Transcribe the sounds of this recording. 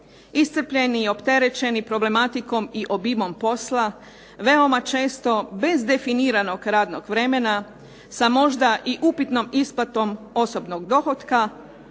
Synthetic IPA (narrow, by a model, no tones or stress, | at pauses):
ist̪r̩pʎe̞nio̞pt̪e̞ɾe̞t͡ʃe̞nipɾo̞ble̞mat̪iko̞miʔo̞bimo̞mpo̞sla | ʋe̞o̞mat͡ʃe̞ːst̪o̞be̞zd̪e̞finiːɾano̞ɡɾaːd̪noɡʋɾe̞me̞na | samo̞ʒd̪aʔiʔupit̪no̞mispat̪o̞m | o̞so̞bnoɡd̪o̞xo̞t̪ka